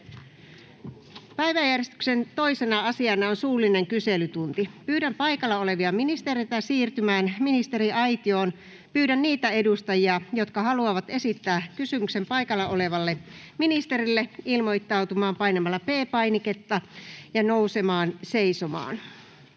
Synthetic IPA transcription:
pæiʋæjærjest̪y̥ksent̪o̞isenɑɑsiɑnɑonsuːlːˑine̞ŋkyselyt̪unt̪ipyːɾæmpɑjkɑlːɑole̞ʋiɑminist̪eɾejt̪æsiːrt̪ymæːnminist̪e̞riɑjt̪io̞ːn | pyːɾænniːt̪æe̞dust̪ɑjiɑjo̞t̪kɑɦɑluɑʋɑt̪e̞sit̪ːæːkysymykse̞mpɑjkɑlːɑʔo̞le̞ʋɑlːeminist̪e̞ɾilːeilmo̞jt̪ːɑwt̪umɑːmpɑjnemɑlːɑpeːpɑjniket̪ːɑjɑnousemɑːnseisomɑ̰ːn

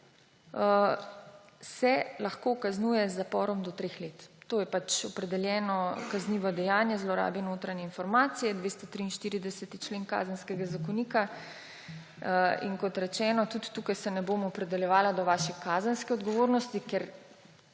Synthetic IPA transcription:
sɛlaxkoːkaznuːjɛzːapɔːɾɔmd̪ɔt̪ɾeːxleːt̪ːoːjɛpat͡ʃɔpɾɛd̪ɛljɛːnɔkazniːʋɔd̪ɛjaːnjɛzlɔɾa̰ːbɛnoːt̪ɾanjɛinfɔɾmaːt̪sijɛd̪ʋeːst̪ɔt̪ɾiːinʃt̪iːɾid̪ɛsɛt̪it͡ʃleːŋka̰ːzənskɛɡazakɔniːka | ḭŋkɔt̪ɾɛt͡ʃɛːnɔt̪ut̪ːuːkajsɛnɛboːmɔːpɾɛd̪ɛljɛʋaːlad̪ɔʋaːʃɛkaːzənskɛɔd̪ɡɔʋoːɾnɔst̪ikɛɾ

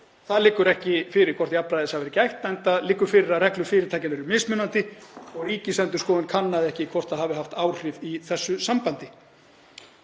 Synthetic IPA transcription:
θaðlɪːkʏɾɛhcɪfɪːɾɪɾ̥kʰvɔr̥t̪japːɾajðɪsavɛɾɪcajht̪ɛjnt̪aðlɪːkʏɾfɪːɾɪɾaðrɛklʏfɪːɾɪɾt̪ajcɪnvɛɾʏmɪsmʏnant̪ɪɔɣiːcɪsɛnt̪ʏ̥skɔːðɪnkʰanːaðɪɛhcɪkʰvɔr̥t̪aðhaːvɪɦaft̪aːwr̥ɪviθɛsːʏsampant̪ɪ

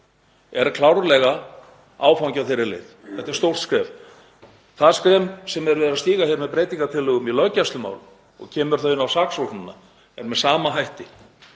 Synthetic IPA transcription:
ɛɾkʰlawɾlɛɣa | a̰ːwfawɲcaθejɾɪlḛːðθɛht̪aɛɾst̪owr̥t̪skɾɛːv | θaðskɾɛːmsɛmɛɾvɛːðɪɾast̪iːɣaçɛɾmɛðpɾeːjt̪iŋkat̪ʰɪlʏɣʏmilœcast̪lʏma̰ːwlʏ | ɔ̰ɣcʰɛːmʏɾ̥θœːjɪnawsaːksonɪnːa̰ | ɛɾmɛðsaːmaɦajht̪ɪ

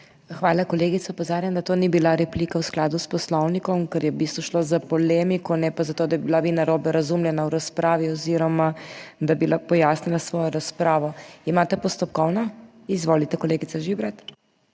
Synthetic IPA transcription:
xʋaːlakɔleːɡit̪sɔpozaːɾjɛmd̪at̪oːnibilaɾɛplikawsklaːd̪uspɔslɔwnikɔmkɛɾjɛbist̪ʋɔʃlozapɔlemikɔnɛpazat̪oːd̪abibilaʋinaɾoːbɛɾazumljɛnawɾaspɾaːʋiɔziɾɔmad̪abilapɔjasnilasʋɔːjɔɾaspɾaːʋɔimat̪ɛpɔst̪ɔp̚kɔwnɔ | izʋoːlit̪ɛkɔleːɡit̪aʒibɾat̪

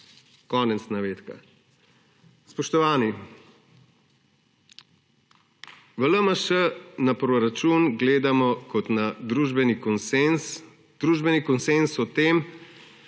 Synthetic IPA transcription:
kɔːnɛt̪snaʋeːt̪ka̰ | spɔʃt̪ɔʋaːni | ʋələməʃənapɾɔɾat͡ʃunɡleːd̪amɔkɔt̪nad̪ɾuʒbɛnikɔnsns | d̪̥ɾuːʒbɛnikɔnsensɔt̪em

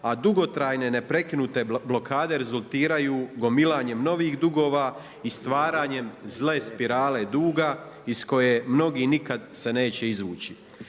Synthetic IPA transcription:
ad̪uɡo̞t̪ɾaːjne̞ne̞pɾe̞kinut̪e̞blo̞kʰaːd̪e̞ɾezulˠt̪iːɾajuːɡo̞milˠaːɲe̞mno̞ʋiːɣd̪uɡo̞ːʋaː | ist̪ʋaːɾaːɲe̞mzle̞ːspiɾaːle̞d̪uːɡaisko̞jemno̞ɡiːnikad̪se̞ne̞ːt͡ɕe̞izʋṵːt͡ɕi

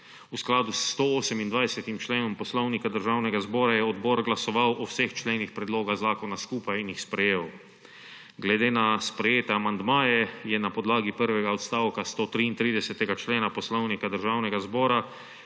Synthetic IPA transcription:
usklaːd̪ust̪ooːsɛmind̪ʋajsɛt̪imt͡ʃleːnɔmpɔslɔwnikad̪əɾʒaːwnɛɡazbɔːɾajɛɔd̪bɔːɾɡlasɔʋawʔɔwsext͡ʃleːnixpɾɛd̪loːɡaɣzaːkɔnaskuːpajinjixspɾɛjeːw | ɡlɛd̪eːnaspɾɛjeːt̪ɛamand̪maːjɛjɛnapɔd̪laːɡipəɾʋɛɡaɔt̪st̪aːwkast̪oːt̪ɾiːnt̪ɾiːd̪ɛsɛt̪ɛɡat͡ʃleːnapɔslɔwnikad̪əɾʒaːwnɛɡazbɔːɾa

